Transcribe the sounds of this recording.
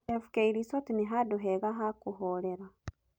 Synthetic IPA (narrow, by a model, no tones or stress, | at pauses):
efu̥keiɾisotiniɦaduɦeɣaɦakuɦoleɾa